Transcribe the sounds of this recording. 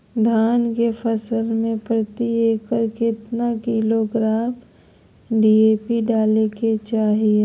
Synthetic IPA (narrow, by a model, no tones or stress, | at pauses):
d̪ʱaːnkepʰəsəlmẽpɾət̪ieːkəɾkɪt̪nakiloɡɾaːm | ɖieːpiɖaːleket͡ʃaːɦie